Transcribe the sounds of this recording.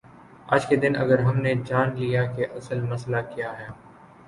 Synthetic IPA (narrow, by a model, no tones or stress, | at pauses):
a̰ːd͡ʒked̪ɪnɐ̰ɡəɾɦɐmned͡ʒaːnlijakeʔɐsəlmɐslakijaɦɛː